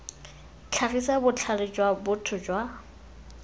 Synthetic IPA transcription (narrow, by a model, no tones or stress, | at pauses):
t͡ɬʰaɣisabʊt͡ɬʰalɪt͡ʃʼwabʊtʰʊt͡ʃʼwa